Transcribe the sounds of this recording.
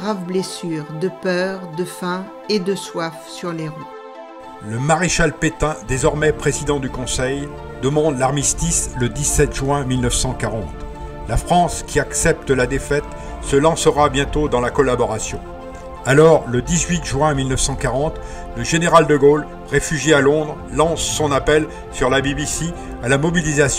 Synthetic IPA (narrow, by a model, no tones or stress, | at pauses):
ʁavblesyːʁd̪əpœʁd̪əfɛ̃ | ed̪əswafsyʁleʁy | ləmaʁeʃalpet̪ɛ̃d̪ezɔʁmɛpχezid̪ɑ̃d̪ykɔ̃sɛj | d̪əmɑ̃d̪laʁmist̪isləd̪isɛt̪ʒɥɛ̃milnəfsɑ̃kaʁɑ̃t̪ | lafχɑ̃skʲiaksɛp̚t̪əlad̪efɛt̪ | səlɑ̃səʁabjɛ̃t̪od̪ɑ̃lakɔlabɔʁasjɔ̰̃ | alɔʁləd̪izɥit̪ʒɥɛ̃milnəfsɑ̃kaʁɑ̃t̪ | ləʒeneʁald̪əɡol | ʁefyʒjealɔ̃d̪ʁːɑ̃sːɔ̃napɛl | syʁlabibisi | alamɔbilizas